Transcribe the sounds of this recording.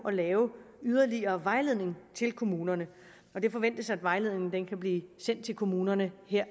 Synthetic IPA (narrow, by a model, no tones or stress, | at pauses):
ʔɒ̽lɛːʊ | yð̞ˠɐliɐːʋɑ̈ɪle̝ð̰ˠne̝ŋt͡sʰe̝lkʰo̝muːnɐnə | ɒ̽d̥e̝fɒ̽ʋen̰d̥əsɑ̈æd̥ʋɑ̈ɪle̝ð̞̰ˠne̝ŋn̩d̥enkʰæb̥liːsen̰d̥̚t͡sʰe̝lkʰo̝muːnɐnəheɐ̰